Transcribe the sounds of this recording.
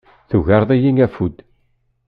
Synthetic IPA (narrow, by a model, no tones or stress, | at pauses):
θuʝɑɾˤðˤijiŋæfud̪